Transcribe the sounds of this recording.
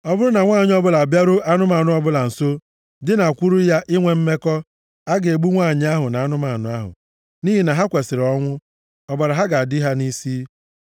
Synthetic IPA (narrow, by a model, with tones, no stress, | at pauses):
ɔ˦bʊ˦ɾʊ˦na˨ŋʷaː˦˨ɲɪ˦ɔ˦bʊ˦la˨bja˦ɾʊ˦ʔa˦nʊ˦ma˨nʊ˦ɔ˦bʊ˦la˨n̩˨so˦ | dɪ˦na˨kʷu˦ɾu˦ja˦ʔɪ˦ŋʷe˨m̩˦me˦kɔ˦ | a˦ɡe˨ɡ͡bu˦ŋʷaː˦˨ɲɪ˦a˦ɦʊ˨na˨a˦nʊ˦ma˨nʊ˨˦a˦ɦʊ̰˨ | ni˦ɦi˨na˨ɦa˦kʷe˨sɪ˨ɾɔ˦ŋʷʊ˦ | ɔ˨ba˨ɾa˨ɦa˦ɡa˨a˨dɪ˦ɦa˦ni˦siː˦